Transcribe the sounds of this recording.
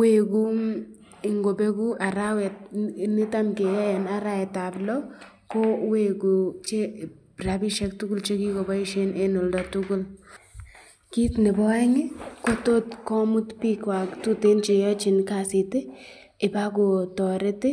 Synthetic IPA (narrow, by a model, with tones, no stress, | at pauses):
we˨ku˦ | ɪ˨ŋɡo˨be˦ku˦a˨ɾa˦wɛ˨t̚nɪ˦ta˦mke˨jɛ˦ɛ˨na˦ɾa˦ɛ˨ta˨blɔ˦ | ko˦we˦˨ku˨t͡ʃe˦ | ra˨bi˦ʃɛ˦k̚tʊ˦kʊ˦lt͡ʃe˦ki˦ko˨bɔ˦i˦ʃe˦ne˦no˨ldɔ˨tʊ˦kʊ˦l | ki˦tnɪ˨bɔ˦ɛ˦ŋɪ˦ko˦to˦tkɔ˦mu˦tpi˦kwa˨ktu˦te˦nt͡ʃe˨jɔ˦t͡ʃɪ˨nka˨sɪ˨tɪ˦ | ɪ˨ba˦k̬o˨tɔ˨ɾɪ˦tɪ˦